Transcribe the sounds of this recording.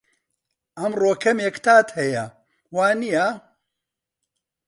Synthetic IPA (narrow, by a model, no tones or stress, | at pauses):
ʔɐmroːkʰɐmekt̪ʰaːt̪hɐjɐ | waːnijɐ